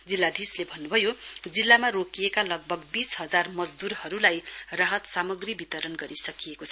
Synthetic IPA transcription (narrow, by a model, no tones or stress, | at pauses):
d͡zilːad̪ʱislebʱʌnːubʱʌjod͡zilːamarokijekalʌɡ̚bʱʌɡbisɦʌd͡zarmʌd͡zd̪uɾhʌɾulajraɦʌt̪samʌɡribit̪ʌɾʌnɡʌɾisʌkijekot͡sʰʌ